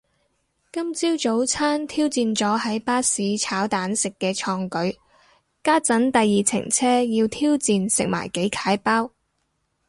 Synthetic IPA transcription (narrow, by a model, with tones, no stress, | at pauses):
kɐ˥mt͡siː˥wt͡so˨˥wt͡sʰaː˥nt̪ʰiː˥wt͡siː˧nt͡sɔː˨˥hɐ˨˥jpaː˥siː˨˧t͡sʰaː˨˥wt̪aː˨˥nsɪ˨kːɛː˧t͡ʃʰɔː˧ŋkɵ˨˥ɥ | kaː˥t͡sɐ˨˥nt̪ɐ˨jːiː˨t͡sʰɪ̰˨˩ŋt͡sʰɛː˥jiː˧wt̪ʰiː˥wt͡siː˧nsɪ̰˨k̚ma̰ː˨˩jke˨˥jkʰaː˨˥jpaː˥w